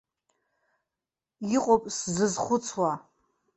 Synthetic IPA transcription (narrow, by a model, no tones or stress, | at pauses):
iqʼopʼszɨzχʷʊt͡sʰwa